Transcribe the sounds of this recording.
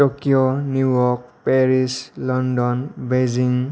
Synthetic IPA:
tokijɔnujɔk̚pɛɹislɔndɔnbeziŋ

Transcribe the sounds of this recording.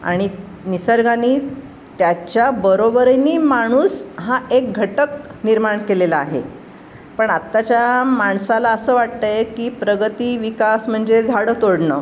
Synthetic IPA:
a̰ɽ̃i | nisəɾɡaniː | t̪jat͡ɕjabəɾobəɾəniːmaɽ̃uːsɦaek̚ɡʱəʈəkniɾmaɳkelelaaɦḛ | pəɳat̪ːat͡ɕjamaɳsalaəsəːʋaʈ̚t̪əjekiːpɾəɡət̪iːʋikasm̤əɳd͡zed͡zʱaɽəːt̪oɽɳəː

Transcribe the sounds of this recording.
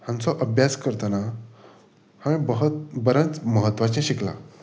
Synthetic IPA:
hãnt͡sɔʔəbjaskəɾt̪ana | hãmẽbəɦət̪bəɾə̃t͡sməɦət̪ːʋat͡ɕẽɕikla̰

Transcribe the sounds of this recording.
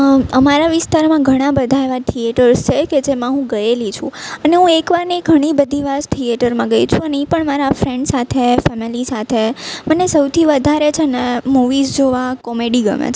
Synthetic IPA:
əmaɾaʋɪst̪aɾmãɡʱəɽ̃ãbəd̪ʱaʋaʈ̪ʰieʈəɾt͡ʃʰeked͡ʒemãɦũɡəelit͡ʃʰṵ̃əneɦũekʋaɾniɡʱəɽ̃ibəd̪ʱiʋasʈ̪ʰieʈəɾmãɡəit͡ʃʰũəneipəɳmaɾafɾẽɳɖsat̪ʰefɛmilisat̪ʰemənesəwt̪ʰiʋəd̪ʱaɾet͡ʃʰenemuʋizd͡ʒoʋakɔmeɖiɡə̰ʋḛt͡ʃʰ

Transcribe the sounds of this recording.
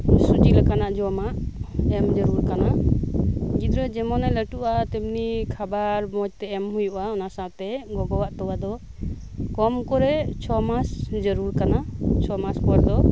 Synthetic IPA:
sut͡ʃilakanaʔd͡ʒɔamaʔɛmd͡ʒəɾuɾkana | ɡid̪ɾɛd͡ʒɛmɔnɛləʈuʔat̪ebnikʰabaɾmɔd͡ʒt̪ɛɛmhujuʔaɔnasat̪ɛɡɔɡɔwaʔt̪ɔwad̪ɔ | kɔmkɔɾɛt͡ʃʰɔmasd͡ʒəɾuɾkanat͡ʃʰɔmaspɔɾd̪ɔ

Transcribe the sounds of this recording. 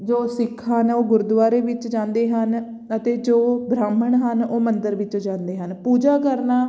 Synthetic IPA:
d͡ʒoːsɪkʰːaːnoːɡʊɾd̪ʋaːɾeːʋɪt͡ʃd͡ʒãːnd̪eːɦən | ət̪eːd͡ʒoːbɾaːməɳɦənoːmənd̪əɾʋɪt͡ʃd͡ʒãːnd̪eːɦənpuːd͡ʒaːkəɾnaː

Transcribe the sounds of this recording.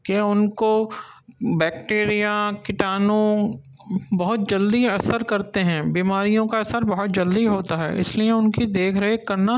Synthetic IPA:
keʊnko | bɛːkʈeːɾijakɪʈaːnõ | bɐɦʊt̪̚d͡ʒɐld̪iɐsəɾkɐɾt̪eɦɛ̃ːbiːmaːɾijõkaɐsəɾbɐɦʊt̪̚d͡ʒɐld̪iɦoːt̪aɦɛ̰ːɪ̰slieʊnkid̪eːkʰɾɐɦekɐɾna

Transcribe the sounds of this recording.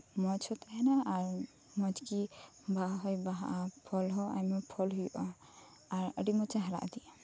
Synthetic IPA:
mɔt͡ʃʰɔt̪aɦɛnaːɾ | mɔd͡ʒki | baɦɔjbaɦaʔpʰɔlɦɔʔa̰jmɔpʰɔlɦujuʔɔ | aɾəɖimɔt͡ʃaɦaɾa̰ʔd̪iʔa

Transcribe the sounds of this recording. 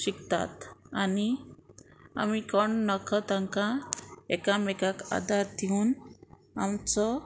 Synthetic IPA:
ɕikt̪a̰t̪ani | a̰mikɔɳnɔkɔt̪ãŋkãekamekaka̰d̪aɾd̪iun | amt͡sɔ

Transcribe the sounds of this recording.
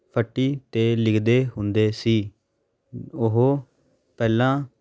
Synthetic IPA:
pʰəʈːiːt̪eːlɪkʰd̪eːɦʊnd̪eːsiː | ʊɦoː | pɛːlãː

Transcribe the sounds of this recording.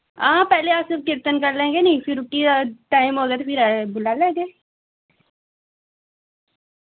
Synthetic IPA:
ãːpɛɦleaːpsɪɾf̚kɪɾt̪ənkɐɾlẽːɡenɐɦĩfɪɾʊʈːiaʈaːɪmɦoːɡeːt̪opʰɪɾbʊlaːlẽːɡeː

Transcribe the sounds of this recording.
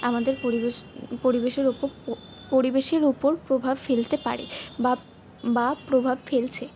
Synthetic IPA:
amad̪eɾpoipoɾibeʃeɾupoɾ | poɾibeʃeɾupoɾpɾobʱabfelt̪epaɾḛba | bapɾobʱabfelt͡ɕʰe

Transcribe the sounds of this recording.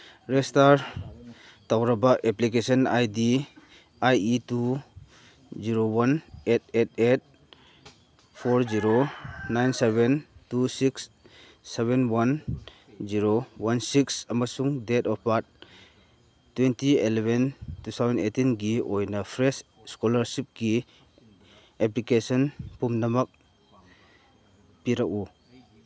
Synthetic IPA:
ɾestaɾ | tawɾɐbaʔeplik̬esɔnajdi | ajitu | ziɾowanet̚et̚et̚ | pʰɔɾziɾonajnsebentusiksː | eβenwan | ziɾowansiksɐmɐsuŋdetɔpaɾt̚ | tːwentielebʱentut̪ʰawzenetinɡiojnɐpʰɾes | skɔlɐɾsip̚ɡi | eplikesɔnpumnɐmɐk̚ | piɾaku

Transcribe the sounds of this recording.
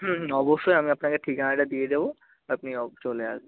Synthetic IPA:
ɦɦɔboʃːɔjamiɐpnakeʈʰikãɖad̪ied̪ebo | apniɔt͡ʃolea̰se

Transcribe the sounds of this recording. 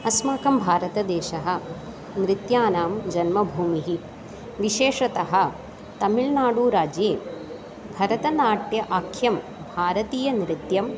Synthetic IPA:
ɐsmaːkɐmbʱaːɾɐt̪ɐd̪eːʃɐɦɐ̆ | nɾit̪jaːnaːmd͡ʒɐnmɐbʱuːmiɦi | ʋiʃeːʂɐt̪ɐɦɐ̆ | t̪ɐmiɭnaːɽuːɾaːd͡ʒeː | bʱɐɾɐt̪ɐnaːʈjɐʔaːkʰjɐm | bʱaːɾɐt̪iːjɐnɾit̪jɐm

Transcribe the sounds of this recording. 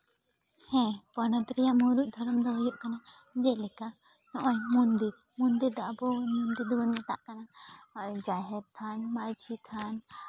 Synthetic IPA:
hɛ̃pɔnɔt̪ɾɛjaʔmuɾuʔ̚ˀd̪ʱɔɾɔmd̪ɔɦɔjɔʔkana | d͡ʒɛʔlɛka | nɔʔɔ̃jmund̪iɾ | mund̪iɾd̪aʔbɔmund̪iɾd̪ɔwɔnmɛt̪a̰ʔkana | d͡ʒaɦɛɾt̪ʰanmaɾd͡ʒʰit̪ʰan

